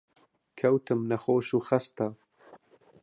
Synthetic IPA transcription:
kʰɐwt̪ɨmnɐxoːʃuːxɐst̪ɐ

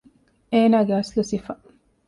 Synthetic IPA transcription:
eːnaːɡeɐslusifɐ

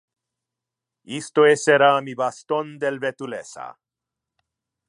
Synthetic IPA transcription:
ist̪oeseɾamibast̪ond̪elvet̪ulesa̰

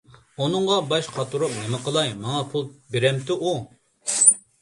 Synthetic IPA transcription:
unɨŋʁɑbɑʃqʰɑt̪ʰuɾup̚nɪmɨqʰəlˠɑjmɑŋɑpʰulˠbeɾɛmt̪ɪʔu

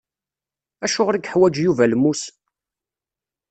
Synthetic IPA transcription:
æʃʊʁɾiɡħwæd͡ʒjuvælmus

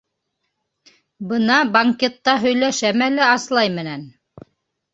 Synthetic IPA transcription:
bɤnɑbɐŋkʲet̪ːɑɦɵ̆jlæʃæmælæɑslˠɑjmɘ̆næn

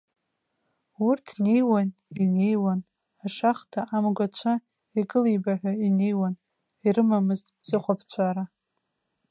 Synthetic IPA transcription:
urtʰne̞jwanine̞jwan | aʂaχtʰaʔamɡʷat͡ɕʷʰa | ikʼɨlijbaħʷᶣaine̞jwan | iɾɨmamɨztʼz̥ɨχʷapʰt͡sʷʰaɾa

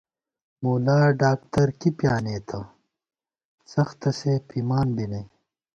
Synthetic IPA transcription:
muːlaːɖaːkʈɐɾkipjaːneːt̪ʰɐ | sɐxt̪ɐsepiːmaːnbinɐj

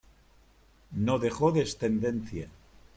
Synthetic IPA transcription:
noðe̞xo̞ðest̪e̞nd̪e̞nθja

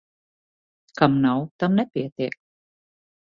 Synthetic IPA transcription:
kamnawt̪amnɛpiɛt̪iək̚

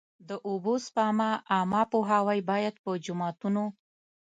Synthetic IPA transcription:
d̪əʔobospɑmaːmɑpoɦawajbɑjad̪̚pəd͡ʒʊmɑt̪uno

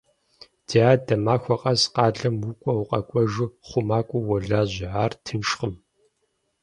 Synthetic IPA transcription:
d̥iaːdɐmaːxʷɔqʼɐzqɑːɮɐmwukʷʼɔwqʼɐkʷʼɔʒuχʷʊmaːkʷʼuwɔɮaːʑɪʕaːrtʰɨnʃχəm

